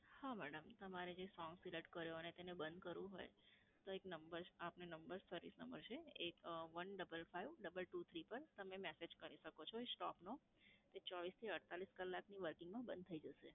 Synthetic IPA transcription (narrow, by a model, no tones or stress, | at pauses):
hamɛɽəmt̪əmaɾed͡ʒesɔŋɡsiləʈkəɾjoənet̪enebə̃nd̪kəɾʋũɦo̰j | t̪oeknəmbəɾapnenəmbəɾsəɾʋḭsnəmbə̰ɾt͡ʃʰeekʋənɖəbəlfaiʋɖəbəlʈut̪ʰɾipəɾt̪əmemɛsed͡ʒkəɾiʃəkot͡ʃʰɔesʈɔpno | t̪et͡ʃɔʋist̪ʰiəɽt̪aliskəlːakniʋəɾkɪ̃ŋɡmãbənd̪̚t̪ʰəid͡ʒəʃḛ